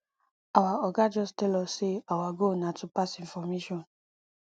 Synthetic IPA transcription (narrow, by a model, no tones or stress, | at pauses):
awaɔɡad͡ʒɔstɛlɔseawaɡonãtũpasĩnfɔmeʃɔ̃n